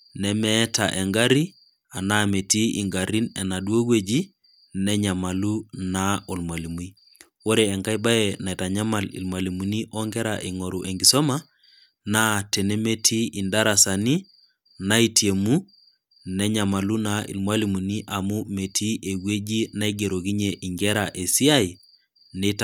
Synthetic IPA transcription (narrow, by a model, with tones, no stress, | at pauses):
nɛmɛ˦ta˨ʔe˨ŋɡa˦ɾi˦ | a˨na˦me˨ti˦ḭ˨ŋɡa˨ɾi˦nɛ˨na˨du˦o˦ɡwe˦d͡ʒi˦ | nɛ˦ɲa˨ma˨lu˦na˦o˨lmwa˨li˨mu˦i˦ | wo˦ɾeː˨ŋɡa˦jba˦jena˨ɛ˨ta˨ɲa˦ma˨lḭ˨lmwa˨li˨mu˨ni˦ʔɔ˦ŋɡɛ˦ɾa˨ʔi˨ŋo˨ɾu˨ʔe˨ŋɡi˨sɔ˦ma˦ | na˦te˨ne˦me˦tʰi˦i˨nda˦ɾa˨sa˨ni˦ | na˦i˦ti˨e˨mu˦ | nɛ˦ɲa˨ma˨lu˦naḭ˨lmwa˦li˨mu˨ni˦ʔa˨mu˦me˨tʰi˦ʔe˨ɡwe˦d͡ʒi˦na˦i˦ɡe˨ɾo˨ɣi˦ɲe˨ʔi˨ŋɡɛ˦ɾa˨ʔe˨si˦a˦i˨ | ne˦t